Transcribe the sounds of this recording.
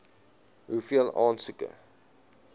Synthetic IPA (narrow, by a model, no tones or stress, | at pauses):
ɦufiəlˠɑːnsəkə̰